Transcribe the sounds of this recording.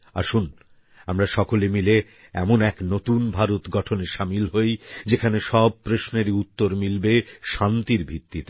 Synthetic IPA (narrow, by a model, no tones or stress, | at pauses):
a̰ɾʃun | amɾaʃɔkolemile | ɛ̰monɛknot̪unbʱaɾot̪ɡɔʈʰoneʃamilɦojd͡ʑekʰaneʃɔb̚pɾoʃneɾiut̪ːoɾmilbeʃant̪iɾbʱit̪ːit̪